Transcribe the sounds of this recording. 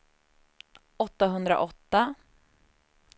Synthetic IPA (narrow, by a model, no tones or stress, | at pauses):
ʔɔt̪ːaɦɵnd̪ɾa̰ʔɔt̪ːa